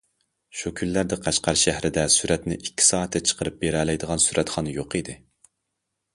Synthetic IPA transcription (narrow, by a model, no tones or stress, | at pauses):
ʃukʲʰynlæɾd̪ɪqʰæʃqʰæɾʃæhɾɪd̪ɛsyɾɛt̪nɪʔikʲʰːi̥sɑːɛt̪ːɛt͡ʃʰə̥qʰəɾɨp̚beɾɛlɛjd̪əʁɑnsyɾʔɛt̪χɑnɨjoqid̪ɪ